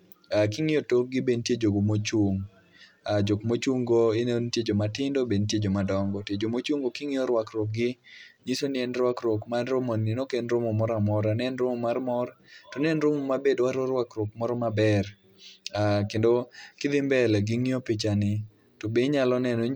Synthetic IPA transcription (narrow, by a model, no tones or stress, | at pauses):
akɪŋɪotok̚ɡɪbentjed͡ʒoɡomot͡ʃoŋ | ad͡ʒokmot͡ʃuŋɡoɪnentjed͡ʒomatɪndobentjed͡ʒomadɔŋɡɔtjed͡ʒomot͡ʃwuŋɡokɪŋɪɔɾwakɾok̚ɡɪɲisonɪɛnɾwakɾokmanɾomoninokenɾomɔmɔɾamɔɾanɛnɾomɔmarmɔrtɔnɛnɾomɔmabedwaɾɔɾwakɾokmɔɾɔmabɛr | akendokɪd̪ɪmbɛlɛɡɪŋɪɔpɪt͡ʃanɪ | tobeɲalɔnɛnɔ